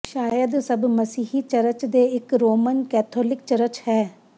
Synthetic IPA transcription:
ʃaːjəd̪səbməsiːɦiːt͡ʃəɾət͡ʃd̪eːɪkɾoːmənkɛːt̪ʰoːlɪkt͡ʃəɾət͡ʃhɛː

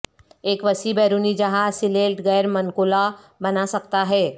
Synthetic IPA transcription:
eːkʋɐsibɛːɾuːnid͡ʒɐɦasɪleːlʈɡɛːɾmɐnkoːla | bɐnasɐk̚t̪aɦɛː

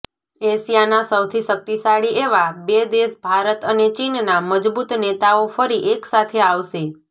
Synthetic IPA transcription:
eʃjanasəwt̪ʰiʃək̚t̪isaɽiʔeʋabed̪eʃbʱaɾət̪ənet͡ʃinnaməd͡ʒbut̪net̪aofəɾiʔeksat̪ʰeaʋʃe

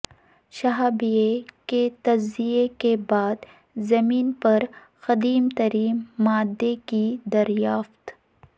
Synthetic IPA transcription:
ʃɐɦaːbijeket̪ɐd͡ʒzijekebaːd̪ | zɐmiːnpɐɾ | xɐd̪iːmt̪ɐɾiːmːaːd̪ːekid̪ɐɾjaːft̪

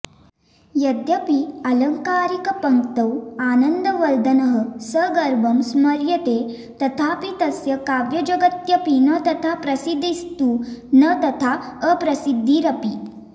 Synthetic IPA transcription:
jɐd̪jɐpiɐlɐŋkaːɾikɐpɐŋkt̪ɐwaːnənd̪ɐʋɐld̪ɐnɐɦəsəɡɐɾbʱɐmsmɐɾjɐt̪e | t̪ɐt̪ʰapit̪ɐsjɐkaʋjɐd͡ʒɐɡət̪jɐpinɐt̪ɐt̪ʰapɾɐsid̪ʱːist̪uːnət̪ɐt̪ʰaəpɾɐsid̪ʱːiɾɐpi

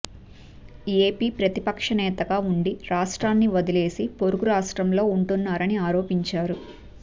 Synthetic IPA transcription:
eːpiːpɾɐt̪ipɐkʂɐnɛːt̪ɐɡaːuɳɖiɾaːʂʈɾaːnːiʋɐd̪ile̞ːsipo̞ɾuɡuɾaːʂʈɾɐmlo̞ːuɳʈunːaːɾɐniaːɾo̞ːpiɲt͡ʃaːɾu

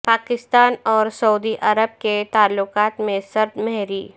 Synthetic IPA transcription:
paːkɪst̪aːnɔːɾsɐud̪iʔɐɾəb̚ket̪aːlːʊkaːt̪mẽsɐɾd̪mɛɦɾiː

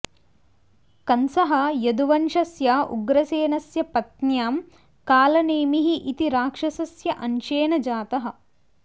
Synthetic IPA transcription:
kɐnsɐɦɐjɐd̪uʋɐnʂɐsjaːʔṵɡɾɐseːnɐsjɐpɐt̪̚njaːm | kaːlɐneːmiɦiʔit̪iɾaːkʂɐsɐsjɐʔɐnʃeːnɐd͡ʒaːt̪ɐɦɐ̆

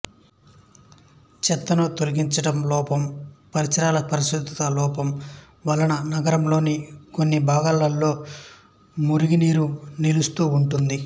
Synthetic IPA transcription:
t͡ʃɛt̪ːɐnot̪olɐɡiɲt͡ʃɐʈɐmlɔːpɐmpɐɾit͡ʃɐɾaːlɐpɐɾiʃud̪ʱːɐt̪ɐlɔːpɐm | ʋɐlɐnɐnɐɡɐɾɐmlo̞ːniko̞nːibʱaːɡalːɐlːo̞ː | muɾiɡiniːɾunilust̪uːuɳʈund̪i

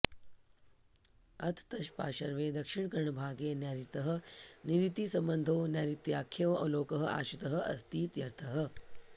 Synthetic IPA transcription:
ɐt̪ʰt̪ɐʃpa̰ːʃɐɾʋẽːd̪ɐkʃɪɳ̃kɐɾɐɳbʱaːɡeːnɛːɾit̪ɐɦə̆niɾit̪isɐ̃mbɐnd̪ʱoːnɛːɾit̪jaːkʰːjõɐloːkɐɦəa̰ːʃit̪ɐɦə̆ʔɐ̰st̪iːt̪jɐɾt̪ʰɐɦə̆

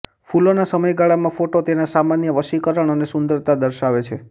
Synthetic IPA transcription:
fulonasəməjɡaɭamãfoʈot̪enasamanjəʋəʃikəɾəɳ̃ənesʊnd̪əɾt̪ad̪əɾʃaʋet͡ʃʰe

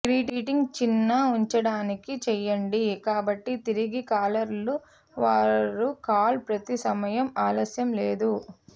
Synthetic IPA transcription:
kɾiːʈiʈiŋɡt͡ʃinːɐuɲt͡ʃɐɽaːnikit͡ʃɛjːɐɳɖikaːbɐʈːit̪iɾiɡikaːlɐɾlu | ʋaːɾukaːlpɾɐt̪isɐmɐjɐmaːlɐsjɐmleːd̪u

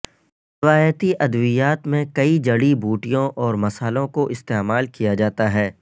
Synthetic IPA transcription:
ɾɪʋaːjət̪iʔɐd̪ʋɪjaːt̪mẽkɐid͡ʒɐɽibuːʈijõʔɔːɾmɐsaːlõkoʔɪst̪eːmaːlkijad͡ʒaːt̪aɦɛː

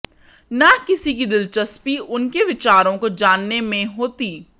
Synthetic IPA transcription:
nakɪsikid̪ɪlt͡ʃɐspiʔʊnkeʋɪt͡ʃaːɾõkod͡ʒaːnːemẽɦoːt̪iː

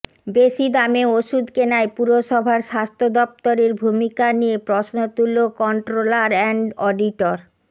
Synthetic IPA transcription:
beʃid̪ameoʃud̪kenaepuɾoʃɔbʱaɾʃast̪ʰod̪ɔp̚t̪oɾeɾbʱumikaniepɾosnot̪ulokɔɳʈɾolaɾɛɳɖɔɖiʈoɾ

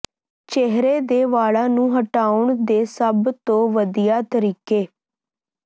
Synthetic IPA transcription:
t͡ʃeɦɾeːd̪eːʋaːɭãːnũːɦəʈaːʊɳd̪eːsəbt̪õːʋəd̪ijaːt̪əɾiːkeː

